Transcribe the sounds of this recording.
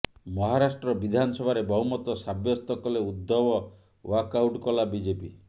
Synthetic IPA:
mɔɦaɾasʈɾɔbid̪ʱanɔsɔbʱaɾebɔɦumɔt̪ɔsabjɔst̪ɔkɔleud̪ːɔbɔ | wakawʈkɔlabid͡ʒepi

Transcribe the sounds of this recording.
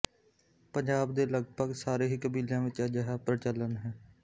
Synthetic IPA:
pəɲd͡ʒaːbd̪eːləɡbʱəɡsaːɾeːɦiːkəbiːljãːʋɪt͡ʃad͡ʒɛɦaːpɾət͡ʃələnɦɛː

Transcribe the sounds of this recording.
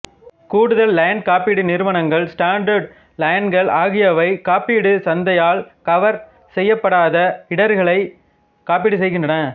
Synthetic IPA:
kuːɽɯðɐlːajɳɖ̚kaːpiːɽɯnɪɾɯʋɐnɐŋɡɐɭsʈaːɳɖɐɾɖ̚ | lɐjnɡɐɭʔaːɣɪjɐʋɐɪkaːpiːɽɯsɐnd̪ɐjaːɭkɐʋɐɾ | sɛjːɐpːɐɽaːðɐɪɽɐɾɣɐɭɐɪ | kaːpiːɽɯsɛjɣɪndrɐnɐ

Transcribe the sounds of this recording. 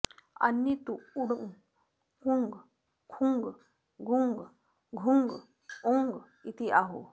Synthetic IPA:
a̰nːit̪uuɽŋ | kuŋɡ | kʰuŋɡ | ɡʱuŋɡ | ɡʱuŋɡ | uŋɡ | it̪iʔaɦo̰

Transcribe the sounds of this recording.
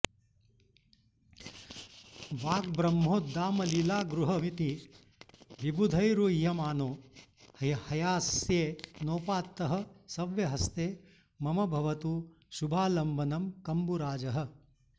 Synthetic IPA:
ʋaːk̚bɾɐmɦoːd̪aːmɐlilaːɡɾuɦɐmit̪i | ʋibud̪ʱɐjɾujɐmaːnoː | ɐhɐjaːsjeːnoːpaːt̪ːɐɦɐ̆sɐʋjɐɦɐst̪eː | mɐmɐbʱɐʋɐt̪u | ʃubʱaːlɐmbʱɐnɐmkɐmbuɾaːd͡ʒɐɦɐ̆

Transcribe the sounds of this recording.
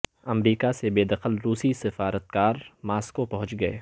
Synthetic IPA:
ɐmɾiːkasebeːd̪ɐqəlɾuːsisɪfaːɾət̪̚kaːɾmaːskopɐɦʊ̃t͡ʃɡɐḛː

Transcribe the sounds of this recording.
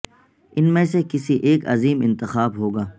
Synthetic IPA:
ɪnmẽsekɪsiʔeːkɐ̰ziːmɪ̃nt̪ɪxaːbɦoːɡaː

